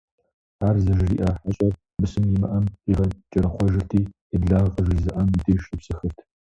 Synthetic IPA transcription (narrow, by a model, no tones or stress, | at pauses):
aːrzɐʒɪrḭːʔaːħaɕʼɐr | bɨsɨmjɪmɐʔɐmiʁɐt͡ʃʼɐɾɐχʷɔʒɪrtʰiː | ɪbɮaːʁqʼɐʒɪrzɨʔɐmitʰʼeːʃtʼɨpsɨxɨrtʰ